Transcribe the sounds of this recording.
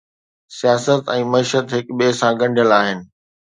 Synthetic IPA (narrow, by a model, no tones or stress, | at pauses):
sijaːsət̪ɛ̃ːmɐiːʃət̪ɦɪkɓesãɡɐ̃ɳɖʱjəlaːɦɪnɪ̆